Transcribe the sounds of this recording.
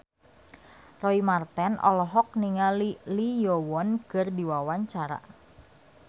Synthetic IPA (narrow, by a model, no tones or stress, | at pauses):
rɔimart̪ɛnɔ̰lɔɦɔk̚niŋalilijowɔnkərdiwawaɲt͡ʃaɾa̰